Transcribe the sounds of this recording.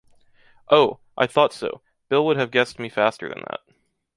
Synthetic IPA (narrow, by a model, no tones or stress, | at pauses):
ʔoʊ | ʔa̰ɪθɔtsoʊ | b̥ɪlˠwʊɾɨvɡɛst̚mifæstə̰˞ðɨ̰̃nðæ̰t̚